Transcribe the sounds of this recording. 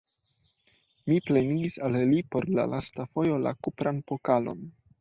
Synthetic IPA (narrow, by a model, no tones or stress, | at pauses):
miple̞niɡisallipo̞ɾla̰lastafo̞jo̞la̰kupɾanpo̞kalo̞̰n